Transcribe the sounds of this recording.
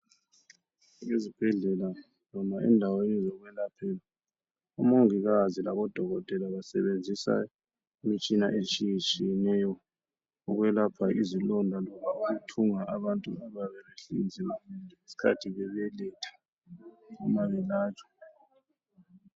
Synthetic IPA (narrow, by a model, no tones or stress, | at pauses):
ŋezib̥ʱɛɮɛla | nɔmaɛ̰ndʱawenizɔɣwɛlapʰɛla | umoŋiɣazilaβɔd̥ʱɔɣɔtʼɛlaβasɛ̰βend͡zʱisa̰ | imit͡ʃʼinaʔet͡ʃʼijit͡ʃʼijɛnɛjɔ | uɣwɛlapʰaʔizilɔndʱalɔβauɣutʰuŋaʔaβantʼṵaβaβɛleɬind͡zʱiβamindʱɛŋesi̥kʰa̰tʰiɣɛβɛlɛtʰḁ | umaβɛlaːt͡ʃʰʼɔ̥